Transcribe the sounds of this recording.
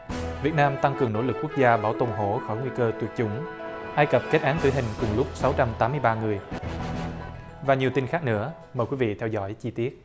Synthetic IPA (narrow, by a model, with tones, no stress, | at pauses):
vi˨˩ət̚naː˧mt̪a˧ŋkɨ˨˩əŋno̰˧˥lɨ˨˩k̚ku˦˥ək̚zaː˧ɓaː˧˩wt̪o˧˩wŋ͡mɦo˧˩xɔ˧˩jŋwi˧kəː˧t̪wək̚t͡ɕʊ˧˩˦ŋ͡m | ʔaː˧jkə˨˩p̚ke˦˥t̚ʔaː˨˦ŋt̪ɨ̰˧˩ɦï˨˩ŋ̟kʊ˨˩ŋlʊ˦˥k͡p̚sa˨˦wt͡ɕa˧mt̪aː˨˦mɨ˧əjɓaː˧ŋɨ˨˩əj | vaː˨˩ɲi˨˩əwt̪i˧nxaː˦˥k̚nɨ̰˧˥ə | mə˨˩kwi˨˦vḭ˧˨t̪ʰɛ˧wzɔ̰˧˩jt͡ɕi˧t̪i˦˥ət̚